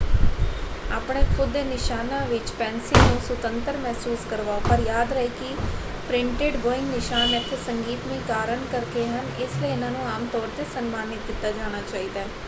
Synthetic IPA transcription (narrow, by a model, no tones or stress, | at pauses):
aːpɳeːkʰʊd̪ːeːnɪʃaːnãːʋɪt͡ʃpɛːnsiːnũːsʊt̪ənt̪əɾmɛɦsuːskəɾʋaːoːpəɾjaːd̪ɾəɦeːkɪ | pɾɪ̃ɳʈeɖboːɪ̃ŋɡnɪʃaːnɛt̪ʰːeːsəŋɡiːt̪mĩːkaːɾənkəɾkeːɦənɪsləiːɪnãːnũːaːmt̪ɔːɾt̪eːsənmaːnɪt̪̚ɡɪt̪ːaːd͡ʒaːɽ̃aːt͡ʃaːiːd̪aːɛː